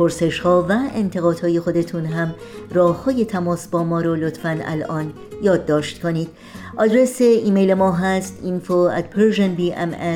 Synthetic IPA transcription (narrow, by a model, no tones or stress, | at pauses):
pʰoɾse̞ʃhɒːvæent̪ʰe̞ɣɒːd̪̥hɒːje̞xo̞d̪e̞t̪ʰuːnɦæm | rɒːhhɒːje̞t̪ʰæmɒːsbɒːmɒːɾolot̪ʰfænæ̰lɒːn | jɒːd̪ːɒːʃt̪kʰo̞niːd̪̥ | ʔɒːd̪ɾeseiːmejlemɒːɦæst̪infoæ̰d̪̥pʰeɾʒenbiːʔḛme